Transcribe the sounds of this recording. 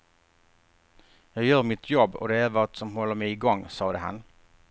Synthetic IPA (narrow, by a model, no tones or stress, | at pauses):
jɑɡjœːɾmɪt̪ʰjɔbːɔ̰d̪ɛæɾvɑt̪sɔmɦɔlːəɾmɛɪɪɡɔŋːsɑːɾəɦɑ̰n